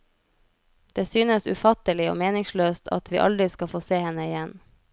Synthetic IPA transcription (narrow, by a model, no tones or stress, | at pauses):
d̪̥eːsyːnəsʉ̰fɑt̪əlɪo̰ːmeːnɪŋsløːst̪ʰɑ̰t̪ʰʋḭːʔɑ̰ld̪ɾɪskɑfoːseːhɛnəɪjɛn